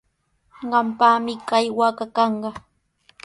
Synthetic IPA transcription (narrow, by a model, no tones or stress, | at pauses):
ɢɑmpaːmɪkajwakakɑɴɢɑ